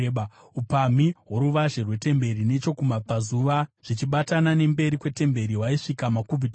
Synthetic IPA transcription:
upamiɦwoɾuʋaʒe̞rwe̞te̞mbe̞ɾine̞t͡ʃo̞kumapazuʋaʐ̥it͡ʃiɓatanane̞mbe̞ɾikwe̞te̞mbe̞ɾiɦwaiʂikamakubʱit

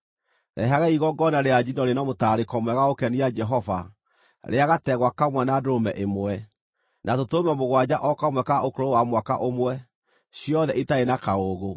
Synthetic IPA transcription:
nɛ̰ɦaɣaiɣɔɡɔnaɾead͡ʒinɔɾenamotaɾekɔmwɛɣaokɛniad͡ʒɛɦɔva̰ | ɾʔeaɣatɛɣwakamwɛnadomɛʔemwɛ | natotomamoɣwad͡ʑaʔɔkamwɛkaʔokoɾowamwaka̰ʔomwɛ | ɕiɔðɛʔitaenakaoɣo

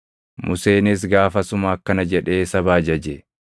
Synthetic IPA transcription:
mʊse̞ːnɪs̬ɡaːfɐsʊmɐːkːɐnɐd͡ʒɛᶑe̞ːsɐbaːd͡ʒɐd͡ʒɛ

